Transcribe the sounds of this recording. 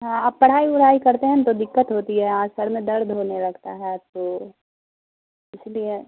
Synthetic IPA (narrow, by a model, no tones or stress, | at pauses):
ɦãɐbpɐɽ̤aːiʊɽ̤aːikɐɾt̪eɦɛ̃t̪od̪ɪkːət̪ɦoːt̪iɦɛãːsəɾmẽd̪ɐɾd̪ʱɦoːneɾɐɡʰt̪a̰ɦɛt̪oː | ɪslie